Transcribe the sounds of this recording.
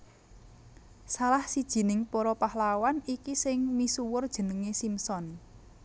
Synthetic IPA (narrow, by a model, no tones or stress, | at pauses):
salahsid̥ʒ̥i̤nɪŋpɔɾɔpahlawanikisɪŋmisuwʊrd̥ʒ̥ə̤nəŋesimsɔn